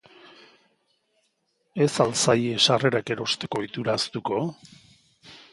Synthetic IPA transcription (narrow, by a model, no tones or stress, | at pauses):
e̞salsajeʃare̞ɾake̞ɾo̞st̪e̞ko̞it̪uɾast̪uko̞